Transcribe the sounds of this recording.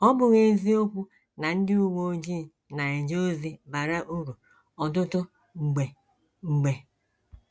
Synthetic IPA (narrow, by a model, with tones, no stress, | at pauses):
ɔ˦bʊ˨ɣe˦zi˦o˦kʷu˦ | na˨n̩˦dɪ˦u˦wo˦o˦d͡ʒi˦˨ | na˨e˨d͡ʒo˦zi˦ba˨ɾa˦ʔu˦ɾu˨ | ɔ˨dʊ˦tʊ˦ | ŋ͡m̩˨ɡ͡be˨ | ŋ͡m̩˨ɡ͡be˨